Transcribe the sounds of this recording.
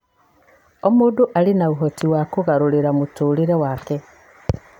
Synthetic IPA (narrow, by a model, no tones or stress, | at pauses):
omuːduʔalinauɦotiwakuɣaɾuliɾamutuːliɾewaːke